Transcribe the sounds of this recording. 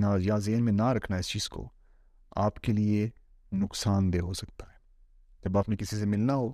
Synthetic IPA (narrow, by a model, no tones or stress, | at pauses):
najazeːnmẽnaɾɐkʰnaɪst͡ʃiːz̥ko̰ | a̰ːpkelie | nʊksaːnd̪eɦosɐk̚t̪ḁɦɛː | d͡ʒɐbaːpnẽkɪsis̬emɪlnaɦo